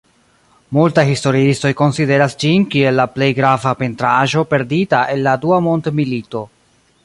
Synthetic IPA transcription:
multajhisto̞ɾiisto̞jko̞nside̞ɾasd͡ʒinkie̞lːaple̞jɡɾavape̞ntɾaʒo̞pe̞ɾditaʔe̞nːaduamo̞ntmilito̞

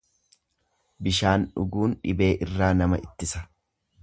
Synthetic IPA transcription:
bɪʃaːnᶑʊ̰ɡuːnᶑɪ̰be̞ːʔɪrːaːnɐmɐʔɪt̪ːɪsɐ̥

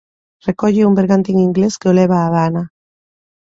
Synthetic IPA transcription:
rekoʝeumbeɾɣant̪iŋiŋɡleskeoleβaːβaːna

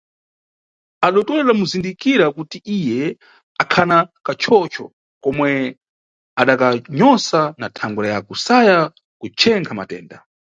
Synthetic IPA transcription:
aɗɔtɔlɛlamuzindikiɾakutiʔijɛ | akʰanakat͡ʃʰɔt͡ʃʰɔ̰ | kɔmwɛ | aɗakaɲɔsanatʰaŋɡuɾajakusaja | kut͡ʃʰɛŋkʰama̰tɛ̰ːnda

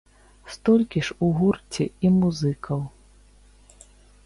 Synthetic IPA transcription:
st̪ɔlʲkʲiʂuɣurt͡sʲiimuzɨkʰɐw

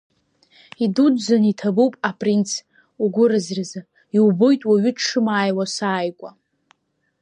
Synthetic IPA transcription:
idudzanitʰabuwpʼapʼrint͡sʰ | uɡʷʊɾɨzraza | iwbojtʼwaɥʏʂɨmaːjwasaːjkʷʼa

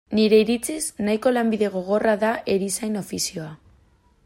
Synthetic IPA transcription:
niɾe̞iɾit͡sisnajko̞lambiðe̞ɣ̞o̞ɣ̞o̞raðaʔe̞ɾisajno̞fisio̞a

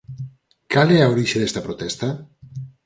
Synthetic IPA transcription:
kaleawɾiʃeðest̪apɾot̪est̪a

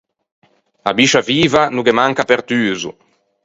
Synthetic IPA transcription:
abiʃaviːvanuɡemaŋkapeɾt̪yːzṵ

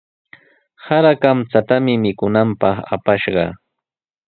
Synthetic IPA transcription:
haɾakamt͡sat̪amɪmɪkʊnampɑχa̰paʃɢɑ

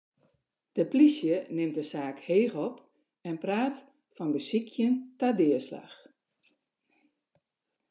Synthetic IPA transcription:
d̥əplisjənɪmdəsaːkheːxɔp | ɛnpraːt | fɔnbəsikʰjəntadɪːəsla̰x

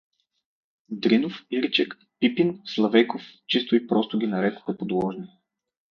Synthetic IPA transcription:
d̪ɾinofiɾit͡ʃɛk | pipinslˠɐvɛkoft͡ʃist̪ʊipɾɔst̪oɡʲinɐɾɛkʊ̥xəpod̪wˠɔʒni

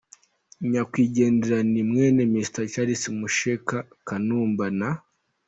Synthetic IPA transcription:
ɲakwiːɟe̞ːndeɾanimŋeːnemistat͡ʃaɾisimuʃeka | kanuːmbana

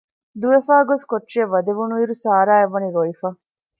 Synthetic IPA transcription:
d̪uʋefaːɡoskoʈːʃeɐʋɐd̪eʋunuiɾusaːɾaːeʋːɐniɾoifɐ

